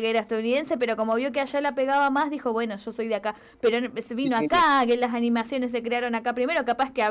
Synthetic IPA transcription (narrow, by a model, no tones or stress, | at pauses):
ɣeɾaest̪aðuniðe̞nse̞peɾo̞ko̞mo̞β̞jo̞keaʃalapeɣaβamazðixo̞βwe̞no̞ʃo̞so̞jðeaka | peɾonsβino̞akaelːas̬anĩmasjo̞nes̬ːekɾeaɾo̞nakapɾime̞ɾokapaskea